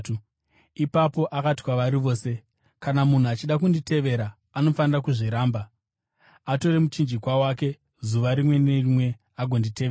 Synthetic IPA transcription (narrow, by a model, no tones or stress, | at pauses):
ipapo̞ʔakati̥kwaʋaɾiʋo̞ːse̞ | kanamun̤uat͡ʃiɗak̬undite̞ʋe̞ɾaː | no̞fanirakuʐiɾaːmba | ato̞ɾe̞mut͡ʃind͡ʒikwawaːke̞ | zuʋaɾimwe̞nerimwe̞ | aɡʱo̞ndite̞ʋeːa